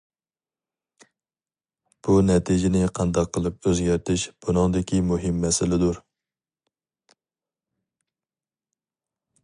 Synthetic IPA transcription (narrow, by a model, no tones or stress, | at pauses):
b̥unɛt̪ʰɪd͡ʒɪnɪqʰɑnd̪ɑqʰːəlˠɨp̚øzɡʲæɾt̪ʰɪʃb̥unɨŋd̪ɪkʲʰimuɦɪmːɛsɪlɪd̪uɾ